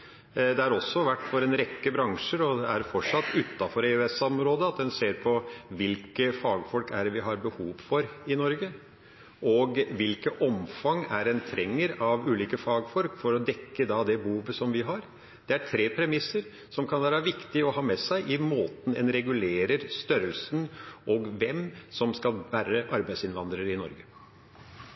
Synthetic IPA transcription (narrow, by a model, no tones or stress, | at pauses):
d̪ɛæɾɔsːɔʋæʈːfɔɾɛnɾɛkːəbɾɑŋʂəɾɔd̪ɛæɾfɔʂɑt̪ːʉt̪ːɑfɔɾɛøɛsɔmɾoːd̪əɑt̪̚d̪ɛnseːɾpʰɔʋɪlkəfɑːɡfɔlkæɾʋɪɦɑɾbəhuːʋfɔɾɪnɔɾɡə | ʔɔɡʋɪlkəʔɔmfɑŋæɾɛnt̪ʰɾɛŋːəɾɑʋʉːliːkəfɑːɡfɔlkfɔɾɔd̪ɛkːəd̪ɑd̪ɛbuːʋəsɔmʋɪɦɑɾ | d̪̥ɛæʈʰɾeːpʰɾɛmɪsːəɾ | sɔmkʰɑnʋæːɾəʋɪkt̪ɪɔhɑːmɛsæɪʔɪmoːt̪n̩ɛ̰nɾɛɡʉleːɾəɾst̪œɾəlsənʔɔɡʋɛmsɔmskɑlʋæːɾəʔɑɾbæɪsɪnʋɑnd̪ɾəɾɪnɔ̰ɾɡə